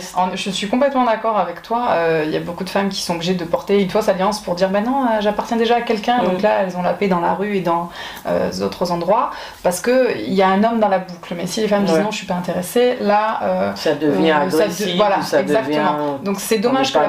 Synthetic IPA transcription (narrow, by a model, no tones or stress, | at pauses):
ɑ̃ʒəsɥikɔ̃plɛt̪mɑ̃d̪akɔʁavɛkt̪waøilja̰bokud̪əfamkʲi̥sɔ̃obliʒed̪əpɔʁt̪eynfwasaljɑ̃spuʁd̪iʁbɛnɔ̃øʒapaʁt̪jɛ̃d̪eʒaːkʲɛlkɛ̃d̪ɔ̃klaɛlzɔ̃laped̪ɑ̃la̰ʁyed̪ɑ̃ | ø̰zot̪χəzɑ̃d̪ʁwa | paʁsə̥kəḭljaɛ̃nɔmd̪ɑ̃labukləmɛsilefamd̪iznɔ̃əʃɥipaɛ̃t̪eʁeselaøsad̪əvnɛ̃aʁasivwalasɛɡ̪zak̚t̪əmɑ̃d̪ɔ̃ksɛd̪ɔmaʒk